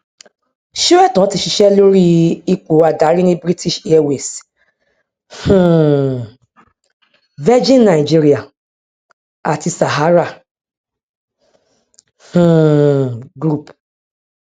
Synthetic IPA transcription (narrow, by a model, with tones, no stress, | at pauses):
ʃi˦ɾɛ˦˨tɔ̃˨˦ti˧ʃi˧ʃɛ˦lo˦ɾi˦i˨k͡po˨a˨da˨˦ɾi˦nĩ˦bɾi˦ti˦˨ʃi˦ɛ˦we˨s | hũ˦˨ | vɛ˦d͡ʒĩ˦n˦na˨i˨d͡ʒi˦ɾi˦a˨ | a˨ti˧sa˨ɦa˨˦ɾa˦˨ | hũ˨ | ɡɾu˦˨p